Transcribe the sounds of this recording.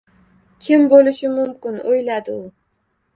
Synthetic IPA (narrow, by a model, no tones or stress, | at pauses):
kʲʰɪmbolɪʃɪmʊmkʲɪnojlad̪ɪʊ